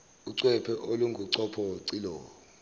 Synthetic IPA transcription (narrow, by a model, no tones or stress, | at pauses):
uǀwɛpʰɛʔoluŋɡʱuǀɔpʰɔǀilɔːɔ